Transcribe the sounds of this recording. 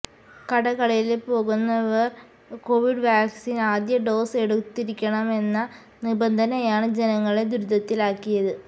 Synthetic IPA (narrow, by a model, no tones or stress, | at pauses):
kɐɽɐkɐɽɐjilepo̞ːɣunːɐʋɐr | ko̞ːʋiɖʋaːksinaːd̪jɐɖo̞ːse̞ɽut̪ːiɾikʲːɐɳɐme̞nːɐ | nibɐnd̪ʱɐnɐjaːɳɨd͡ʑenɐŋːɐɭed̪uɾud̪ɐt̪ːilaːkːijɐðɨ